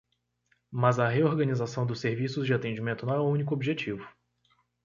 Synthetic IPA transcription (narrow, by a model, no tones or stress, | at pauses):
mazɐɦeoɾɡɐ̃nizasɐ̃w̃d̪ʊsːeɾvisʊzd͡ʒɪat̪ẽd͡ʒimẽnt̪ʊnɐ̃w̃ɛwũnikʊobiʒet͡ʃivʊ